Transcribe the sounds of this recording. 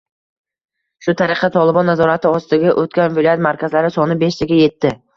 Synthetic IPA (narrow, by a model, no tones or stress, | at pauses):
ʃʊt̪ʰaɾɪqʰɑt̪ʰɒlˠɪbɒnːazɒɾat̪ʰɪɒst̪ɪɡʲaʔot̪̚kʲanvɪlˠɒjat̪maɾkʲʰazlaɾɪsɒnɪbeʃt̪ʰɪɡʲaje̞t̪ʰːɪ